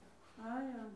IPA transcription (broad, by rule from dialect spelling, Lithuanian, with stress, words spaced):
ˈɑːjoːm